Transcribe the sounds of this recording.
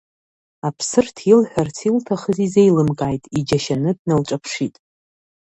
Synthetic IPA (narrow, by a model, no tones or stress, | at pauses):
apʰsɨrtʰilħʷᶣart͡sʰiltʰaχəzize̞jlɨmkʼaːjtʼid͡ʒaʃanɨdnalʈ͡ʂʼapʰʂitʼ